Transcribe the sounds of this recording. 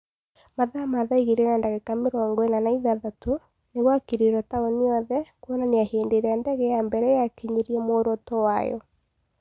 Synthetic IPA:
maðamaðaiɣeɾenandaɣɛkameɾɔːŋɡoenanaiðaðato | neɣwakeɾeɾɔtaoniɔðɛkwɔnaneaheːndeɾeandɛɣɛjambɛɾɛjakeɲeɾiɛmoːɾotɔwa̰jɔ̰

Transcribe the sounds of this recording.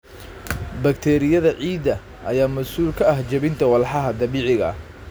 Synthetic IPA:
bɐk̚t̪ʰɛːɾɪjɐðɐʕiːd̪ɐ | ʔɐjaːmɐsuːlkʰɐɐɦt͡ʃɐβɪnt̪ʰɐwɐlħɑɦɐd̪ɐβiːʕɪɣɐ̰

